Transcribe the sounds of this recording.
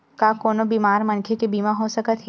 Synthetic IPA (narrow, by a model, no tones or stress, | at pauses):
kakoːnobiːmaːɾmɐ̃nkʰekebiːmaɦosɐkət̪ɦ